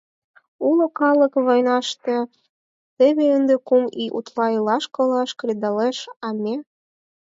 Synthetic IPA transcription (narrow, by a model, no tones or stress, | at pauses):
ulokɑləkβojnɑʃt̪e | t̪eβeənd̪ekumiʔṵt̪lɑilɑʃkŏlɑʃkɾʲid̪ɑleʃɑmʲe